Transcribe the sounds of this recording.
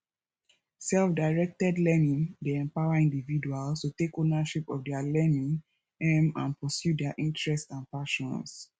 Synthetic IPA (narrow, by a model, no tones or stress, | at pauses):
sɛlfdaɪɹɛk̚tɛdlɛnĩŋdeɛ̃mpawaĩndividualstutekonaʃipɔfdɛalɛnĩŋ | ɛ̃mãnpɔsjudɛaʔĩntɹɛstsãnpaʃɔ̃ns